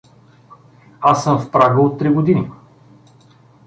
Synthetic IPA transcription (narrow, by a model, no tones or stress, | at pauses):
asːəmfpɾaɡəot̪ːɾiɡod̪ini